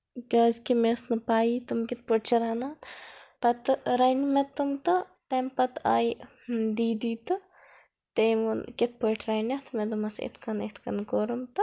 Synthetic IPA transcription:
kɐzkimesnɨpaːjit̪umkʲit̪̚poʈt͡ʃʰɐɾaːnaːnpɐt̪ɨɾɐjnmet̪umt̪ɨt̪eːmpɐt̪a̰ːj | d̪iːd̪iːt̪ɨ | t̪emunkit̪̚poʈʰɾɐjnʲɐt̪ʰmed̪umɐsḛt̪ʰkɐnet̪ʰkɐnkoːɾɐmt̪ɨ

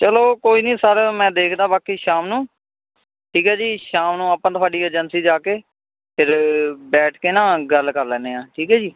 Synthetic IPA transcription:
t͡ʃəloːkoːiːnĩːsaːɾemɛ̃ːd̪eːkʰd̪ãːbaːkiːʃaːmnũː | ʈʰiːkɦɛːd͡ʒiːʃaːmnũːaːpãːt̪ʰʊaːɖiːəɾd͡ʒənsiːd͡ʒaːkeː | pʰɪɾbɛːʈʰkeːnãːɡəlkəɾlɛ̃ːneːãːʈʰiːkɛːd͡ʒiː

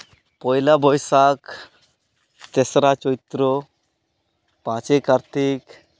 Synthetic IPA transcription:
pɔjlabɔjsak | t̪esɾat͡ʃɔit̪ɾɔ | pãt͡ʃekaɾt̪ik

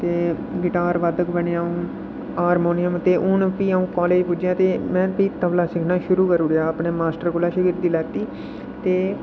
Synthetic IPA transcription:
t̪eː | ɡɪʈaːɾʋaːd̪əkbəɳeaːũː | aːɾmoːnɪjəmt̪eːʔʊnpiːaũːkaːleːd͡ʒpʊd͡ʒjãːt̪eːmɛ̃ːpiːt̪əʋlaːsɪkʰnãːʃʊɾuːkəɾuːɽjaːəpɳeːmaːsʈəɾkʊlaːʃəɡiɾd̪iːlɛːt̪iː | t̪eː

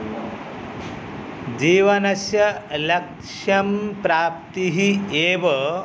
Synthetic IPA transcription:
d͡ʑiːʋɐnɐsjɐlɐk | ʂɐmpɾaːp̚t̪iɦieːʋɐ

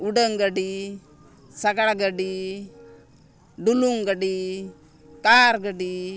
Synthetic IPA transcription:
uɖəŋɡəɖi | saɡaɽɡəɖi | ɖuluŋɡəɖi | kaɾɡəɖi

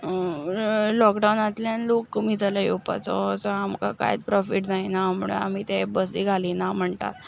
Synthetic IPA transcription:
lɔkɖawnat̪ljanlokːmid͡zalajopa̰t͡sɔ̰sɔamka̰ka̰j̰t͡spɾɔfiʈd͡zainaːmuɭḛa̰m̤iːt̪ebəsiːɡʱaliːnam̤əɳt̪a̰t̪

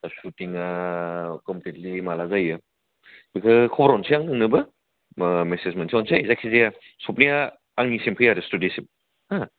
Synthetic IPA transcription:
sutiŋa | kɔmpletlimalazajɯ | bikʰɯkʰɔbɾɔnsiaŋnɯŋnɯbɯ | mesesmentsiɔnsiaizakʰizija | sɔp̚nijaː | ŋnisimpʰɯjaɾestudisip̚ | a

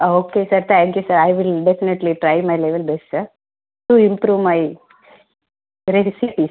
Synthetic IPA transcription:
aoːkesɐɾt̪ʰæ̃ŋkjusɐɾajʋɪlɖefineʈliʈɾajmajleʋelbesʈsɐɾ | ʈuĩmpɾuːʋmaj | ɾesipis

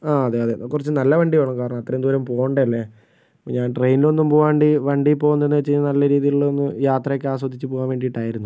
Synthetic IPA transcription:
aːɐðeɐðekːurit͡ɕːɨnɐlːɐʋɐɳɖijoːɳɐmkaːɾɐɳɐmɐt̪ːrɐend̪uʋɐɾɐmpoːɣɐɳɖɐɐlːe | poːɲaːnʈrejnlo̞nːumpoːɣaːɳɖiʋɐɳɖipːo̞ːɣunːɐðe̞nːɨʋet͡ɕːɨːnɐlːɐɾiːðijiɭːonːɨjaːt̪rɐjekːaːs̬wɐd̪ʱːit͡ɕːɨpoːɣaːnʋeːɳɖiʈːaːjiɾunːu

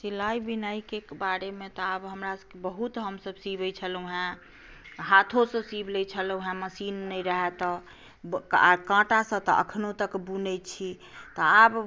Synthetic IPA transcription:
silaibinaikekbaɾemet̪ɔabɦəmɾasəkebəɦut̪ɦəmsəbsibəjt͡ʃʰəluɦã | ɦat̪ʰosə̃sibʱlɛt͡ʃʰəluɦãməsinːəjɾəɦɛt̪ɔ | a̰kãʈasə̃t̪ɔ̰ʔə̰kʰnot̪əkbunɛt͡ʃʰi | t̪ɔab

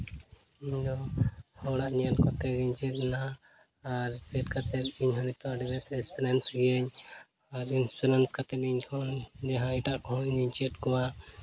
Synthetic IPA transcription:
iɲd̪ɔhɔɽaʔɲankɔt̪ɛɡiɲt͡ʃɛt̪̚naː | ɾt͡ʃɛʈkat̪ɛt̪̚iɲɦɔnit̪ɔɖibɛsɛspɛɾɛnsɡijɛɲ | aɾinspʰɛɾanskat̪ɛt̪iɲkʰɔd͡ʒaɦãiʈaʔkɔɦɔ̃iɲiɲt͡ʃɛʈkɔwa

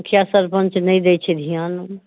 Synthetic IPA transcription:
kʰjasəɾpə̃nt͡ʃnɐĩd̪et͡ʃʰed̪ʱijaːn

